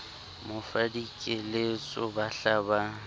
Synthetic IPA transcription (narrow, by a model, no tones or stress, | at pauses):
mʊfadikʼɪlet͡sʼʊbaɬaːba